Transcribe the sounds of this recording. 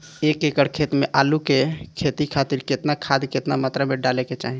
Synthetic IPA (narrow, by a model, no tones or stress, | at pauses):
ekekəɽkʰet̪meʔalukekʰet̪ikʰat̪iɾket̪nakʰad̪ket̪namət̪ɾameɖaleket͡ʃa̰ɦi